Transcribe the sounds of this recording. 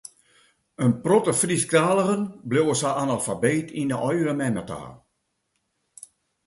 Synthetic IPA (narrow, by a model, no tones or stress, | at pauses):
ənprɔtəfriskraːlˠəɣənbljowəsaʔanalˠfabeːtʰindəʔɔjɾəmɛmata̰ː